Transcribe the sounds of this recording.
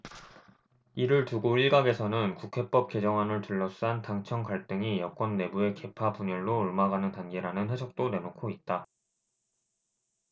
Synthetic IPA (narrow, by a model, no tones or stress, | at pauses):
iɾɯɭtuɡoiɭɡaɡe̞sʰʌnɯnkukʰe̞p͈ʌp̚k͈e̞d͡ʑʌŋɦanɯɭtɯɭːʌs͈uɦantaŋt͡ɕʰʌŋkaɭt͈ɯŋijʌk͈wʌnːe̞bue̞ke̞pʰapuɲʌɭːoːɭmaɡanɯntanɡeɾanɯnhe̞sʰʌk̚t͈one̞nokʰoit̚t͈a